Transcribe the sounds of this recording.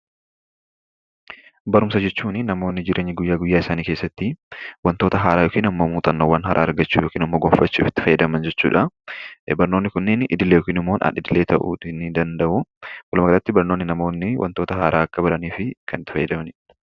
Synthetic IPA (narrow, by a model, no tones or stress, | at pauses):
bɐɾʊmsɐd͡ʒɛt͡ʃːuːnɪnɐmo̞ːnːɪd͡ʒɪɾʔe̞ːɲːɪɡʊjːaːɡʊjːaːɪsaːniːkeːsːɐt̪ːɪwɐnt̪oːt̪ɐɦaːɾaːjokiːnɐmːoːmuːt̪ʼɐnːoːwɐnhɐɾʔa̰ːɐɾɡɐt͡ʃːuːjoːkiːnɐmːoːɡɔfɐt͡ʃːuːfɪt̪ːɪ̥fɐjːɐd̪ɐmɐnd͡ʒɛt͡ʃːṵːᶑɐ | bɐɾno̞ːnːɪkʊnːɪnʔɪ̰d̪ɪlejoːkiːnɪmːo̞ːnɐ̰ᶑɪd̪ɪle̞ːt̪ɐʔṵtɪnɪd̪ɐnd̪ɐʔʊwɐlʊmɐɡɐɾɐt̪ːɪbɐɾnonːɪnɐmo̞ːnːɪwʔɐ̰nt̪oːt̪ɐɦaːɾʔaːɐkːɐbɐɾɐniːfɪkʰɐnɪt̪ːɪ̥fɐjːɐd̪ɐmnɪ